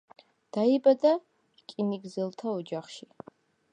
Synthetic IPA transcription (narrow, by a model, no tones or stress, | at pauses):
d̪̥aibad̪a | kʼiniɡzɨlˠt̪ʰaud͡ʒaχʃi